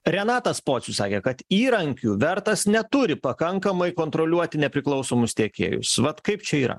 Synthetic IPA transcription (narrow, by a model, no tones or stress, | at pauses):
ɾʲɛnɑːt̪ɐspoːsʲʊsɑːkʲekɐt̪iːɾɐŋʲkʲuːʋʲɛɾt̪ɐsnʲɛt̪ʊɾʲɪpɐkɐŋkɐmɐɪkoːnt̪ɾolʲuɔt̪ʲɪnʲɛpʲɾʲɪklˠɐʊsoːmʊst̪ʲiɛkʲḛːjʊ̰sʋɐt̪kɐɪpt͡ʃʲɛiːɾɐ̰